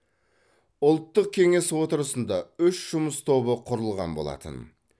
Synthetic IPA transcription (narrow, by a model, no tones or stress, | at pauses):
ʊlˠt̪ːəq̚kʲʰe̞ŋe̞swo̞t̪əɾəsənd̪ɑʏʃʒ̥ʊməst̪ʰo̞bəqʰʊɾəlˠʁɑ̰nbo̞lˠɑ̰t̪ə̰n